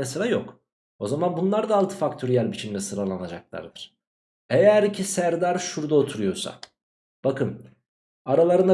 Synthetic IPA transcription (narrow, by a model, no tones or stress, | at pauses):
ɛsɯɾʲajo̞k | o̞zamanbunlˠaɾd̪aːlˠt̪ʰɯ̥fakt̪ʰoɾijælʲbit͡ʃʰimlʲɛsɯɾalˠanad͡ʒaklˠa̰ɾd̪ɯɾ̥ | ejæɾicʰisæɾd̪aɾʃuɾd̪aot̪ʰuɾujo̞ɾsa̰ | b̥akʰɯn | aɾalˠaɾɯna